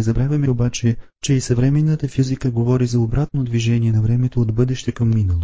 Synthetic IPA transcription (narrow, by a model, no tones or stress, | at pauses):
ɛzɐbɾavʲjɐmɛobat͡ʃɛ | t͡ʃɛisɐvɾɛmɛnːət̪əfizikəɡovɔɾizɐobɾat̪̚nod̪viʒɛniɛnɐvɾɛmɛt̪oːd̪bɤd̪ɛʃt̪ɛkɐmːinɐlˠo